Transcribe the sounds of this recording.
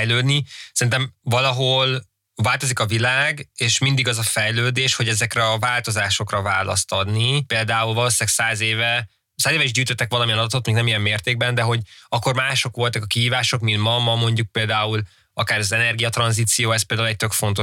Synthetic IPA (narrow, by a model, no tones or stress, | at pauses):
jløːd̪nisɛɾint̪ɛmvɒlɒɦo̞l | vaːlt̪o̞zikɒvilaːɡeːʃmind̪iɡɒzɒfɛjløːd̪eːʃho̞ɟɛzɛkrɛɒvaːlt̪o̞zaːʃo̞krɒva̰ːlɒ̰st̪ɒd̪nipeːld̪aːulvɒloːsiaɡsaːzeːvɛ | saːzeːvɛiʒɟyːt̪øt̪ːɛkʋɒlɒmijɛnɒd̪t̪ot̪moknɛmijɛmːeːrt̪eːɡ̚bɛnd̪ɛɦo̞ɟɒkːo̞rmaːʃo̞kʋo̞lt̪ɒkɒkiɦiːvaːʃo̞kmint̪mɒmɒmo̞ɲɟuk̚peːld̪aːul | ɒkaːɾɒzɛnɛrɡijɒt̪rɒnziːt̪sijoːɛspeld̪aulɛc̚t̪økfo̞nt̪o̞